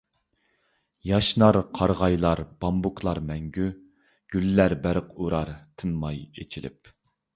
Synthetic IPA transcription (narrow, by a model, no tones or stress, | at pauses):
jɑʃnɑɾqʰɑɾʁɑjlˠɑɾb̥ɑmbukʰlˠɑɾmɛŋɡʲy | ɡ̥ʲylːæɾbæɾəqʰuɾɑɾt̪ʰɨmːɑjḛt͡ʃʰilɪ̰p̚